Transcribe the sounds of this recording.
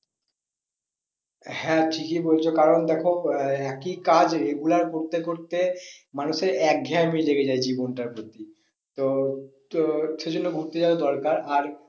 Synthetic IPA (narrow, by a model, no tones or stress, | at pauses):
hɛ̃ʈʰikibolt͡ɕʰokaɾond̪ɛkʰoɛkikad͡ʑeɡulaɾkoɾt̪ekoɾt̪emanuʃeɾɛk̚ɡʱɛamileɡed͡ʑaed͡ʑibonʈaɾpɾot̪i | t̪o | ʃed͡ʑonːoɡʱuɾt̪ed͡ʑabod̪ɔɾkaɾaɾ